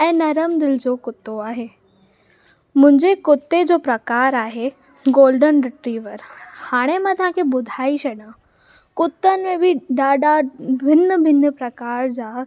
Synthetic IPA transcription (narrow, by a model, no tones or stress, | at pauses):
ɛ̃ːnɐɾəmd̪ɪld͡ʑoːkʊt̪ːoaːɦeː | mʊ̃ɦɪ̃ɲd͡ʑekʊt̪ːed͡ʑoːpɾɐkaːɾaːɦe | ɡoːlɖənɖɪʈɾiːʋəɾhaːɽ̃emãt̪ɐɦãkʰebʊd̪ʱaːiɕɐɗã | kʊt̪ːənɪ̆mẽbɪɖaːɖabʱɪnəbʱɪnəpɾɐkaːɾd͡ʑaː